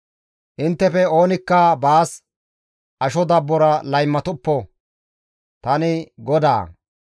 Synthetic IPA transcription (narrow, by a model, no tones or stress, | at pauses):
ʔɪnt̪ːɛfɛo̞ːnɪkːɐbaːs | ʔɐʃɔd̪ɐbːɔɾɐlɐjmːɐt̪ʊpːɔ | t̪ɐnɪɡɔd̪a̰ː